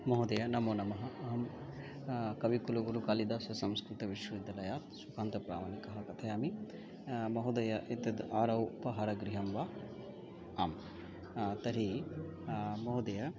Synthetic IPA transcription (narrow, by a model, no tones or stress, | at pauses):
mɐɦud̪ɐjɐnɐmoːnɐmɐɦɐ̆ɐɦɐm | kɐʋikulɐɡuɾukaːlid̪aːsɐsɐmskɾut̪ɐʋiʃʋɐid̪ːɐlɐjaːt̪sukʰaːnt̪ɐpɾa̰ːmaːnikɐɦɐkɐt̪ʰɐjaːmi | mɐɦud̪ɐjɐʔit̪ɐd̪aːɾɐwupɐɦaːɾɐɡɾiɦɐmʋa | aːm | t̪ɐɾi | mɐɦud̪ɐjɐ